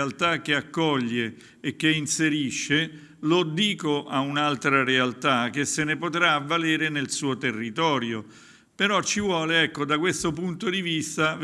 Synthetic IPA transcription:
alt̪ak̟ːeakːɔʎːeː | k̟ːeinseɾiʃːe | lod̪iːkoʔaunalt̪ɾarealt̪ak̟ːesenepot̪ɾaːvːaleːɾenelsuːot̪erːit̪ɔːɾjo | peɾɔt͡ʃːivwɔːleɛkːod̪akwest̪opunt̪od̪ivist̪av

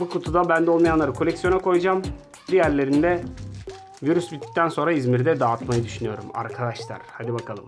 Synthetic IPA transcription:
bukʰot̪ʰud̪abænd̪ɛolˠmajanlˠaɾɯkʰolʲɛcsijo̞nakʰo̞jud͡ʒam | d̪ijæɾlʲe̞ɾind̪ɛ | viɾysbit̪ʰːi̥c̚t̪ʰænso̞nɾaizmiɾd̪ɛd̪aːt̪majɯd̪yʃynyjo̞̰ɾṵma̰ɾkʰad̪aʃlˠa̰ɾ̥had̪ibakʰalˠɯm

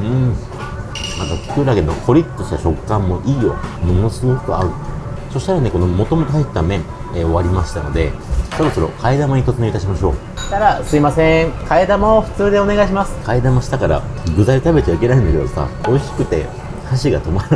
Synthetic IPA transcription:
ɯ̟̃ː | mak̪akʲi̥kɯɾaɡe̞nːokʰo̞ɾʲi̥t̪ːoɕi̥t̪aɕo̞kːãmːo̞ʔiːjo̞̰mo̞no̞sɨɡo̞kɯ̟aɯ̟so̞ɕi̥t̪aɾane̞ko̞nomo̞t̪o̞mo̞t̪oɦait̪t̪ːamẽ̞ɴ | eo̞βaɾʲimaɕi̥t̪ano̞d̪e̞so̞ɾo̞so̞ɾo̞̰kʰaid̪amaɲ̟it̪o̞t̪ɨneit̪aɕimaɕo̞̰̥ː | t̪aɾasɨimasẽŋkʰaed̪amoɸɯ̥t͡sɨːd̪e̞o̞ne̞ɡaiɕ̬imasɨ̥kaid̪amaɕi̥t̪akaɾa̰ɡɯ̟zait̪abe̞t͡ɕaikʲe̞naĩnd̪ake̞d̪osa̰o̞iɕi̥kɯ̟t̪e̞̰ | haɕiɡat̪o̞maɾɯ

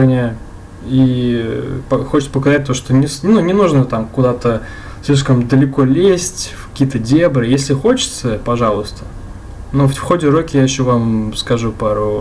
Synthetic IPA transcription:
nʲɪ | i | pəxot͡ɕʲɪt̪sə̥pəkɐzat̚ʲt̪o̞ʂt̪onʲɪsnunʲɪnuʐnət̪amkʊd̪at̪ə | sʲlʲiʂ̬kəmd̪əlʲɪko̞lʲesʲtʲfkɐ̥kʲijət̪ədʲebɾɨjesʲlʲɪxo̞t͡ɕɪ̥t̪səpɐʐalˠʊst̪ə̥ | noffxo̞dʲɪɾokʲɪjaɪɕːovamskɐʐupaɾu

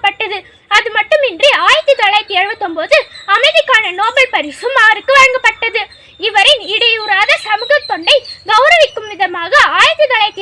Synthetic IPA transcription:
pːɐʈːɐðɯ | ɐðɯmɐʈːɯmɪndriaːjɐt̪ːɯt̪ɐɭɐɪt̪ːɪɛɻʋɐt̪ːɯmpoːðɯɐmɐɪðɪkːaːnɐnoːbɐɭpɐɾɪʂɯmaːɾɯkːɯʋɐɻɐŋɡɐpːɐʈːɐðɯ | ɪʋɐɾɪnɪɽɐjuːɾaːðɐsɐmɯɣɐt̪ːɔɳɖɐɪɡɐʊɾɐʋɪkːɯmʋɪðɐmaːɣɐaːjɐt̪ːɯt̪ɐɭɐɪt̪ːɪ

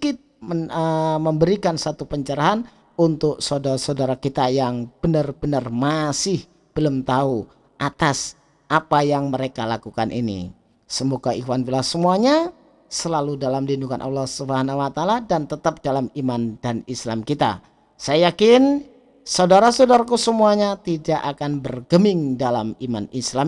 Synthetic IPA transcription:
kɪt̪̚əəməmbəɾikansat̪upəɲt͡ʃəɾaɦan | unt̪ʊk̚sawdaɾasawdaɾakit̪ajaŋb̥ənərbənərmasɪh | b̥əlumt̪au | ʔat̪as | ʔapajaŋməɾekalakukanʔḭnḭ | səmoɡaixwanbilahsəmuaɲa | səlaludalamdinukanʔa̰lːɑhsubaɦanawat̪aladant̪ət̪ap̚d̥alamimandanislamkit̪a̰ | sajajakɪn | saudaɾasawdaɾakusəmuaɲat̪idaʔakanbərɡəmɪŋdalamimanislam

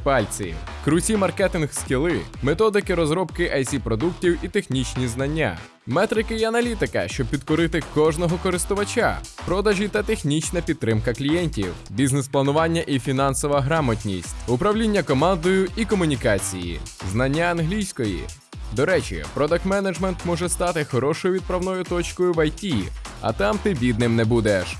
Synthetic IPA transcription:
pɑlʲt͡sʲḭkɾʊt͡sʲimɐrkɛt̪ɪnxskʲilˠɪmet̪ɔd̪ɪkɪɾɔzɾɔbkɪʔɐjsʲipɾɔd̪uktʲiwit̪exnʲit͡ʃnʲiznɐnʲːa̰ | mɛt̪ɾɪkɪiɐnɐlʲit̪ɪkɐ̰ʃt͡ʃɔb̚pʲid̪kɔɾɪt̪ɪkɔʒnɔɦɔkɔɾɪst̪ʊʋɐt͡ʃa̰pɾɔd̪ɐʒʲit̪ɐt̪exnʲit͡ʃnɐpʲid̪t̪ːɾɪmkɐklʲijɛnʲtʲiw | bʲiznɛsplˠɐnʊʋɑnʲːɐʔifʲinɑnsɔʋɐɦɾɑmɐtʲnʲisʲtʲʊpɾɐʋlʲinʲːɐkɔmɑnd̪ɔjʊikɔmʊnʲikɑt͡sʲijḭznɐnʲːaːnɦlʲijsʲkɔjḭ | d̪ɔɾɛt͡ʃḭpɾɔd̪ɐkmɛnɐd͡ʒmɛnt̪mɔʒɛst̪ɑt̪ɪxɔɾɔʃɔjʊʋʲid̪̚pɾɐwnɔjʊt̪ɔt͡ʃkɔjʊʋɐjtʲi | ɐ̰t̪ɑmt̪ɪbʲid̪nɪmnɛbud̪ɛʃ

